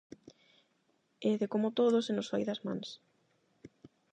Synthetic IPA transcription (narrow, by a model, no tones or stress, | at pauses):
eðekomʊt̪oð̞ʊsenʊsojðɐzmã̰ns